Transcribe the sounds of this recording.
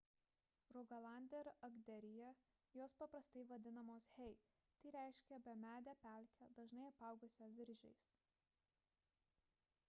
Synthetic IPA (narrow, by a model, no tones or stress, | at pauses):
ɾɔɡɐlˠɑˑnʲd̪ʲɛɾɐɡd̪ʲɛɾʲɪjɛ | joːspɐpɾɐst̪ɐɪʋɐd̪ʲɪnɐmoːshʲɛɪ | t̪ɐɪɾʲæɪʃʲkʲɛbʲɛmʲæːd̪ʲæːpʲæˑlʲkʲɛd̪ɐʒnɐɪɐpɑˑʊɡʊsʲɛʋʲɪɾʲʒʲɛ̰ɪs